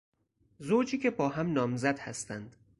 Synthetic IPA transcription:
zoːd͡ʒiːcʰebɒːɦæmnɒːmzæd̪hæ̰st̪ænd̪

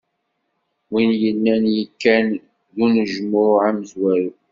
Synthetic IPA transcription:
winjənːænjəkːæn | ðunəʒmʊɾʕaməzwæju

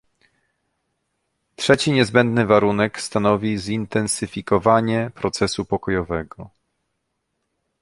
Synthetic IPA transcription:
tʂɛt͡ɕiɲɛzbɛnd̪nɘvaɾunɛkst̪anɔvʲizint̪ɛnsɘfʲikɔvaɲɛpɾɔt̪sɛsupɔkɔjɔvɛɡɔ

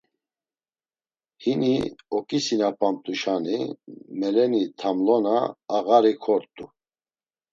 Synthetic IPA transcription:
hiniɔkʼisinapʼamt̪ʼuʃanimɛlɛnit̪ʰamlɔnaːɣaɾikʰɔɾt̪ʼu

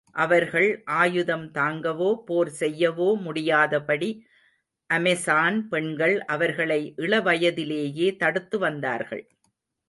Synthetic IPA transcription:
ʔɐʋɐɾɣɐɭʔaːjɯðɐmt̪aːŋɡɐʋoːpoːɾsɛjːɐʋoːmʊɽɪjaːðɐpɐɽi | ʔɐmɛsaːnpɛɳɡɐɭʔɐʋɐɾɣɐɭɐɪʔɪɭɐʋɐjɐðɪleːjeːt̪ɐɽɯt̪ːɯʋɐnd̪a̰ːɾɣɐ̰ɭ

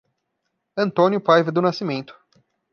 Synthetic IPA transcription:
ɐ̃nt̪õnjʊpajvɪd̪ʊnasimẽnt̪ʊ̥

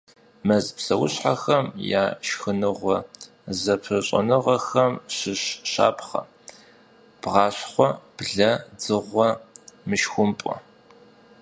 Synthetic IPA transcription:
mɐzpsɐwʊɕħaxɐmja̰ːʃxɨnɨʁʷɔ | zɐpʰɨɕʼɐ̰nɨʁɐxɐmɕɨɕʃa̰ːpχɐ̰ | b̥ʁɑːɕχʷɔb̥ɮɐd͡zɨʁʷɔmɨʃxʷʊmpʼɔ̰

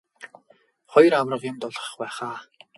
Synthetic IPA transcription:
χɔjrawrə̆qjʊmt̪ʊɮʁə̥̆χpæːχaː

